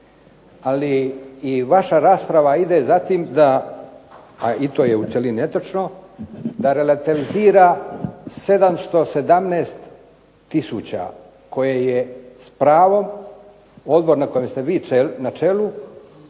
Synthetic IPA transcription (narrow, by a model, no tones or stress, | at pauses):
aliː | ʋaʃaɾaːspɾaʋaid̪ezat̪iːmd̪a | ait̪o̞ːjeut͡ʃ̪elinet̪ot͡ʃno̞d̪aɾelat̪iʋiziːɾa | se̞d̪amst̪o̞se̞d̪amneːst̪ː | isuːt͡ɕa̰ | ko̞jejespɾaːʋo̞m | o̞d̪bo̞ɾnako̞jemst̪eʋiːenat͡ʃe̞lu